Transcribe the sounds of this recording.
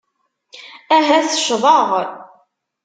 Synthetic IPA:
æɦæθəʃðˤəʁ

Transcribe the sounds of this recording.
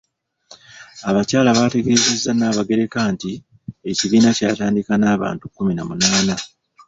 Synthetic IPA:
aβacaːlaβaːte̞ɡe̞ːze̞zːanaːβaɡe̞ɾe̞kaːnti | eciβiːnacaːtaːndikanaːβa̰ːntukːuminamunaːna

